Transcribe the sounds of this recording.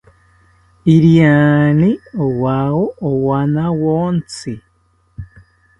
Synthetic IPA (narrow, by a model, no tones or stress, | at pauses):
iɾiaːniowawoowanawoːnt͡si